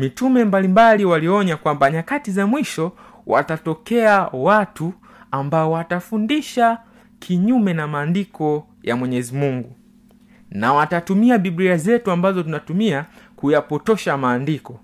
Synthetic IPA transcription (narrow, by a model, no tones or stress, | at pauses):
mitumɛmbalimbaliwaliɔɲakwambaɲakatizamwiʃɔ | wʔa̰tatɔkɛawatu | ambaɔwatafundiʃa | kʰiɲumɛnamaːndikʰɔ | jamwɛɲɛzimuŋɡu | nawatatumiaɓiɓliazɛtuambazɔtunatumiakujapɔtɔʃamaːndikɔ